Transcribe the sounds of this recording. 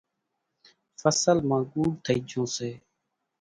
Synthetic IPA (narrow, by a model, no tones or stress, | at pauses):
fəsəlmãːɡuːɖt̪ʰəiːd͡ʒʱõːseː